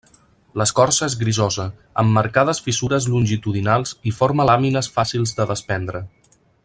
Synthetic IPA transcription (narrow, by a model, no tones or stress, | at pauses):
ləskɔrsəezɣɾizɔzə | ə̰mːəɾkað̞əsfisuɾəzlunʲʒit̪uðinalˠzifɔɾməlaminəsfasilˠzðəðəspɛnd̪ɾə